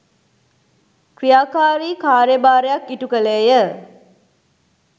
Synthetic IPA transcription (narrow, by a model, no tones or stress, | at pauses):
krijaːkaːɾiːkaːɾjəbaːɾejakːiʈukəleːjə